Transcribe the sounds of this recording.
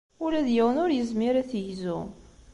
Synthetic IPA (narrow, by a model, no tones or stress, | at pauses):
ʊlæðjəwənʊɾjəzmiɾæθjzu